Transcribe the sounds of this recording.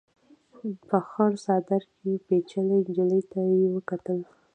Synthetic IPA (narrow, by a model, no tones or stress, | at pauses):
pəxɑɾsɑd̪aɾkepet͡ʃaləjd͡ʒɪləjt̪ajewəkat̪əl